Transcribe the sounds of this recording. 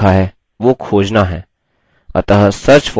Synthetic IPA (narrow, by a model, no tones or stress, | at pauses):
aɦɛː | ʋokʰoːd͡ʒnaɦɛː | ɐ̰t̪əɦəsɐɾt͡ʃfɔ